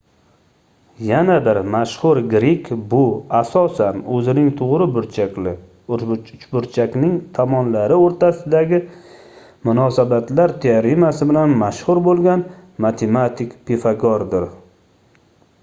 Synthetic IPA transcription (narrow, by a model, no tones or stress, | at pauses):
janabɪɾmaʃhʊɾɡɾikʲbʊasɒsanɵzɪnɪŋt̪ʰʊʁɾɪbʊɾt͡ʃʰakʲlɪ | ʊt͡ʃbʊɾt͡ʃʰakʲnɪŋt̪ʰamɒnlaɾɪoɾt̪ʰasɪd̪aɡʲɪ | mʊnɒsabat̪laɾt̪ʰeɾɪmasɪbɪlanmaʃhʊɾbolˠɡʲanmat̪ʰemat̪ʰɪkpʰefaɡɒɾd̪ɪɾ